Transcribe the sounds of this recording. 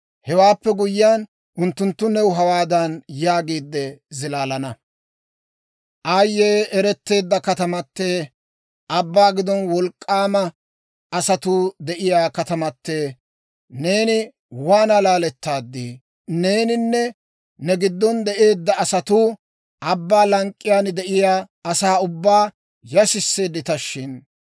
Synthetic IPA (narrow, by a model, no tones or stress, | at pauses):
hɛwaːpːɛɡʊjɪjaːn | ʔʊnt̪ːʊnt̪ːʊnɛwʊɦɐwaːd̪ɐnjaːɡiːd̪ːɛzɪlaːlɐnɐ | ʔajːeːɛɾɛt̪ːe̞ːd̪ːɐkɐt̪ɐmɐpːeː | ʔɐbːaːɡɪd̪ɔnwɔlkʼːaːmɐ | ɐsɐt̪uːd̪ɛʔɪjaːkɐt̪ɐmɐt̪ːe̞ː | ne̞ːnɪ | waːnɐlaːlɛt̪ːaːd̪ːiː | ne̞ːnɪnːɛ | nɛɡɪd̪ːɔnd̪ɛʔe̞ːd̪ːɐːsɐt̪uː | ʔɐbːaːlɐŋkʼːɪjaːnd̪ɛʔɪjaː | ɐsaːʊbːaː | jɐsɪsːeːd̪ɪt̪ɐʃːɪn